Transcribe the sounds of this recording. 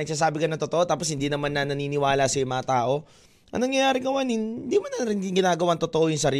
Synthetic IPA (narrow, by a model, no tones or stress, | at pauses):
nɐɡ̚saːs̬aːbɪkɐnɐŋt̪ot̪oʔo̞t̪aːpos̬hɪnd̪iːnɐmanːɐnɐniːnɪwaːlɐsɐjʊmɐŋɐt̪aːʔo̞ | ʔɐ̰ŋnɐŋjɐjaːɾɪkɐwɐnɪnd̪imɐnɐɾɪnɡɪŋɡɪnaːɡɐwant̪ot̪oʔo̞jʊŋsɐɾi